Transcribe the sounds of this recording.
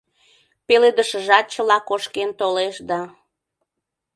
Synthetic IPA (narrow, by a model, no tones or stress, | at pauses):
peled̪əʃəʒɑt̪̚t͡ɕəlɑkoʃkent̪oleʃd̪ɑ